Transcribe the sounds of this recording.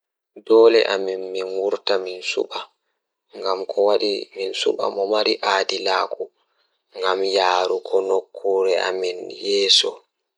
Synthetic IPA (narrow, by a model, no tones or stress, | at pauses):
dɔːlɛ̰ʔaminminwuɾtaminsṵɓa | ŋɡamkʰɔwaɗiminsṵɓa̰mɔmaɾiʔaːdilaːkʰu | ŋɡamjaːɾukʰɔnokʰːuɾɛʔa̰minjɛːsɔ